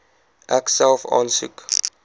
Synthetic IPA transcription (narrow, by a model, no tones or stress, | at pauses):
ʔɛksɛlˠfɑ̰ːnsṵk